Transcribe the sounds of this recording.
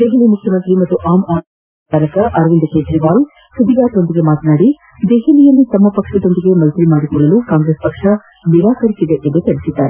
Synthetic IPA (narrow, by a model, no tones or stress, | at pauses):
d̪eɦɐlimukʰjɐmɐnt̪ɾimɐt̪ːuʔaːmaː | aːɾɐkɐʔɐɾʋind̪ɐt͡ʃeːd̪ɾiʋaːl | sud̪iɡaːt̪o̞nd̪iɡe̞maːt̪ɐnaːɽi | d̪eɦɐlijɐlːit̪ɐmːɐpɐkʂɐd̪o̞nd̪iɡe̞mɐlt̪ɾimaːɽikɔɭːɐlukaːŋɡɾespɐkʂɐ | niɾaːkɐɾisid̪eʔend̪ut̪elisid̪ːaːɾe